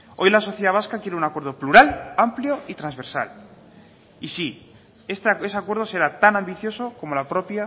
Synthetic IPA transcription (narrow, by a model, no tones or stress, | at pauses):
o̞jlaso̞θjeðaβ̞askakjeɾeunakwe̞ɾðopluɾalampljoit̪ɾanzβe̞ɾsa̰l | isi | est̪ee̞seakweɾð̞ose̞ɾat̪anãmbiθjo̞soko̞mo̞lapɾo̞pja